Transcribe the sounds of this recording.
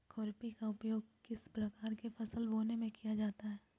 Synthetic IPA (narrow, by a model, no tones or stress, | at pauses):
kʰɔːɾpikaʊpjoːɡ̚kɪspɾɐkaːɾkefɐsəlboːnemẽkijad͡ʒaːt̪aɦɛː